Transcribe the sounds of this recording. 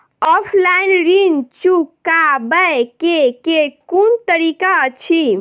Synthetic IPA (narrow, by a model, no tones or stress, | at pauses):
ɔpʰlainɾint͡ʃukːabəjkekekunt̪əɾikat͡ʃʰi